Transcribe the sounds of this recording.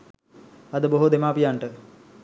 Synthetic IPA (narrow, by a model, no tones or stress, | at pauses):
ɐd̪əboɦud̪emaːpijaːɳʈə